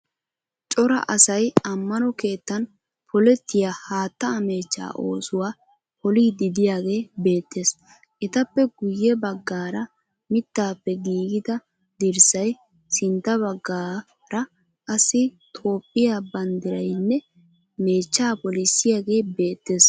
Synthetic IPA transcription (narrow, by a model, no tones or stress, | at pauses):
t͡ʃʼɔɾɐ̰ʔɐsɐjɐmːɐnɔke̞ːt̪ːɐn | pʰɔlɛt̪ːɪjaːhaːt̪ːɐɐmeːt͡ʃːa̰ːʔo̞̰ːsʊwaː | pɔliːd̪ɪd̪ɪjaːɡe̞ːbe̞ːt̪ːe̞ːs | ʔɪt̪ɐpːɛɡʊjːɛbɐɡːaːɾɐ | mɪt̪ːaːpːɛɡiːɡɪd̪ɐ | d̪ɪɾsɐj | sɪnt̪ːɐβɐɡːaː | ɾɐ | ʔɐsɪt̪ʰo̞ːpʼːɪjaːbɐnd̪ɪɾɐjnːɛ | me̞ːt͡ʃːaːpɔlɪsːɪjaːɡe̞ːbe̞ːt̪ːe̞ːs